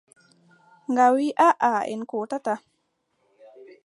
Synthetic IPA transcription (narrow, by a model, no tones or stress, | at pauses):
ŋɡawiʔaʔaɛ̰nkutata